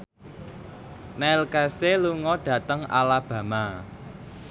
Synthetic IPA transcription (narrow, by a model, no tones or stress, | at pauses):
nɛlkɛseluŋɔɖ̥ä̤t̪əŋa̰lab̥ä̤ma